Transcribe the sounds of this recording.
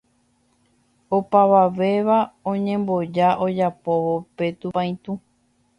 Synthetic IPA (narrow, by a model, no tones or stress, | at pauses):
opaʋaʋe̞ʋaõɲẽ̞mbo̞d͡ʒaʔod͡ʒapo̞ʋope̞t̪upãj̃t̪ũ